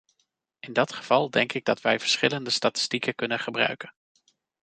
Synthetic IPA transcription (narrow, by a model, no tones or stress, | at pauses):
ɪndɑtχəv̥ɑlˠdɛŋkɪɡ̚dɑtʋɛjvəɹsχɪləndəstaːtɪ̥stikəkɵnəχəbrœ̰ɥkən